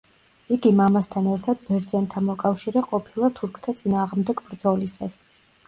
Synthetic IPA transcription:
iɡimamast̪ʰanɛɾt̪ʰad̪̥̚bɛɾd̪zɛnt̪ʰamɔkʼafʃiɾɛqʼɔpʰilˠat̪ʰuɾkʰt̪ʰat̪sʼinaːʁmd̪ɛɡbɾd̪zɔlisa̰s

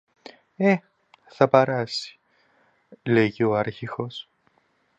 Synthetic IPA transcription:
e | θɐpeɾɐsi̥ | leʝio̞ɐɾçixo̞s

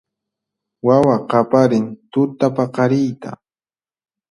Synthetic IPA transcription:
wawaqapaɾɪnt̪ʊt̪apaqɑɾɪjt̪a̰

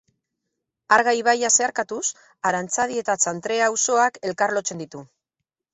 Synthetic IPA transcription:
aɾɣajβ̞ajase̞aɾkat̪us | aɾant͡sað̞ie̞t̪at͡sant̪ɾe̞awso̞ake̞lkarlo̞t͡se̞nd̪it̪u

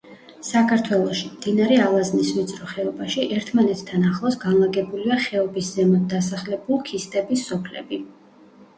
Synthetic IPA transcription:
sakʰaɾt̪ʰwɛlˠɔʃimd̪̥inaɾɛalˠaznisvit̪sʼɾɔχɛɔbaʃiʔɛɾt̪ʰmanɛt̪ʰt̪ʰːanaχlˠɔsɡanlˠaɡɛbuliaχɛɔbiszɛmɔd̪asaχlɛbulˠkʰist̪ʼɛbisːɔpʰlɛ̰bi

